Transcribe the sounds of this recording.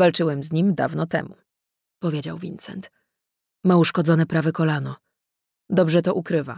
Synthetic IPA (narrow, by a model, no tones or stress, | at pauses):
valt͡ʂɘwɛmzʲɲimd̪a̰vnɔt̪ɛ̰mu | pɔvʲjed͡ʑawvʲint̪sɛ̰nt̪ | mauʂkɔd̪zɔnɛpɾavɛkɔlanɔ | d̪ɔbʐɛt̪ɔʔukɾɘva̰